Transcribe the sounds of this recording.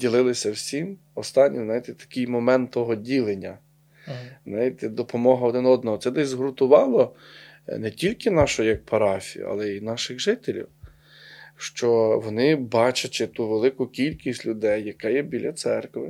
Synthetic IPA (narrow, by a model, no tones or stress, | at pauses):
dʲilˠɪlˠɪsʲɐwsʲim | ɔst̪ɑnʲːḭznɑjit̪ɛt̪ɐ̥kɪjmɔmɛnt̪ːɔɦɔdʲilˠenʲːɐ | znɑjʲit̪ɛd̪ɔpɔmɔɦɐɔd̪ɪnɔd̪nɔɦɔt̪sɛd̪ɛzʲzɦɾʊt̪ʊʋɑlˠɔ | nɛtʲilʲkɪnɑʃʊɔjɐk̚pʰɐɾɑfʲijṵɐ̰lˠɛinɑʃɪɣʒɪt̪elʲḭw | ʃt͡ʃɔʋɔnɪbɑt͡ʃɐt͡ʃɪt̪uʋelˠɪkʊkʲilʲkʲisʲtʲlʲʊd̪ɛjːɐkɑjɛbʲilʲʔɐt̪sɛrkʋɪ